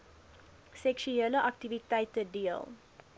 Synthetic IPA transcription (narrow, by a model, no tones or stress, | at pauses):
sɛkʃuɛləʔak̚tivitɛjtədiə̰l